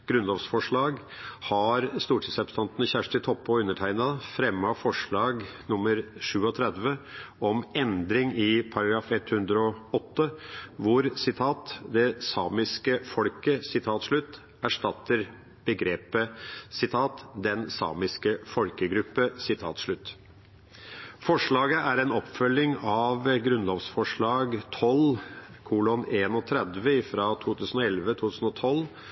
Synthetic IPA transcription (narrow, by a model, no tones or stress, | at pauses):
ɡ̥ɾʉnlɔːfsfɔʂɭɑːɡ | hɑɾst̪uːʈʰiːsɾɛpst̪ɑnt̪nəçæʂʈɪt̪ʰɔpːɔʉnːəʈʰæɪnɑfɾɛmːɑfɔʂɭɑːɡnʊmːəɾʂʉːɔt̪ʰɾɛd̪ʋəɔmɛnd̪ɾɪŋɪpʰɑɾɑɡɾɑːfɛt̪hʉnd̪ɾəɔɔt̪ːəʋʊɾsɪt̪ʰɑːt̪d̪ɛsɑːmɪskəfɔlkəsɪt̪ʰɑːt̪ʂɭʉt̪ː | æʂʈɑt̪ːəɾ | b̥əɡɾeːpəsɪt̪ʰɑːt̪d̪ɛnsɑ̰ːmɪskəfɔlkəɡɾʉpːəsɪt̪ʰɑ̰ːt̪ʂɭʉt̪ː | fɔʂɭɑːɡəʔæɾɛːnɔpfœlːɪŋɑʋɡɾʉnloːʋsfɔʂɭɑːɡt̪ʰɔlkʰuːlɔneːnɔt̪ʰɾɛd̪ʋəɪfɾɑːt̪ʰuːt̪ʰʉːsən̩ɔɛlʋət̪ʰuːt̪ʰʉːsn̩ɔt̪ʰɔl